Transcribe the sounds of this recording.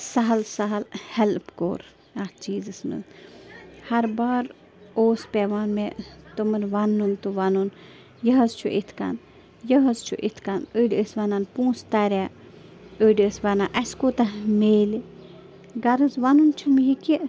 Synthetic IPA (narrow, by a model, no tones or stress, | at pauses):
sɐɦɐlsɐɦɐlhɛlpko̰ːɾ | ɐt͡ʃiːzɨsnɨ̰z | hɐɾbaːɾ | oːspʲeʋaːnmet̪ɨmɨnʋɐnːunt̪uʋɐnun | jɐɦɐzt͡ʃʰṵʔit̪ʰkɐ̰n | jəɦɐzt͡ʃʰṵʔit̪ʰkanəɖəsʋɐnanpũːst̪ɐɾʲaː | əɖiəsʋɐnaːʔɐskoːt̪ɐmeːli | ɡɐɾɨzʋɐnunt͡ʃʰumjiki